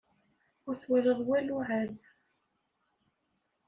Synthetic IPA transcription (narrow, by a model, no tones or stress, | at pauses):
ʊɾθwæləðˤwæluʕæð